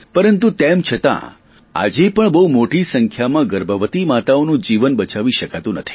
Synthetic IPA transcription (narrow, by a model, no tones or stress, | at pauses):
pəɾənt̪ut̪emt͡ʃʰət̪ã̰ | a̰d͡ʒepəɳbəumoʈisəŋkʰjamãɡəɾbəʋət̪imat̪aonũd͡ʒiʋənbət͡ʃaʋiʃəkat̪ũnət̪ʰi̥